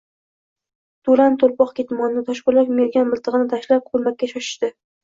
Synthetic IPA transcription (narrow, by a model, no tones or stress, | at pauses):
t̪ʰolant̪ʰolˠpɒqkʲet̪mɒnnɪt̪ʰɒʃqʊɾlakʲmeɾɡʲanmɪlˠt̪ʰɨʁɨnɪt̪ʰaʃlap̚qʰolˠmakʲːaʃɒʃɪ̥ʃt̪ɪ